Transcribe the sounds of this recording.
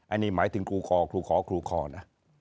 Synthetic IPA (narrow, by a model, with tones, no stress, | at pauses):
ʔa˧niː˦˥maː˩˦jt̪ʰɯ˩˦ŋkʰɾuː˧kʰɔː˧kʰɾuː˧kʰɔː˨˦kʰɾuː˧kʰɔː˧˩na˦˥